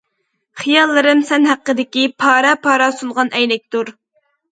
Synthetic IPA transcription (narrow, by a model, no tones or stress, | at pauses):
χijɑlˠːɨɾɨmsɛnɦæqːəd̪ɪkʲipʰɑːɾɑpʰɑːɾɑsuɴʁɑnɛjnɛk̚ʲt̪uɾ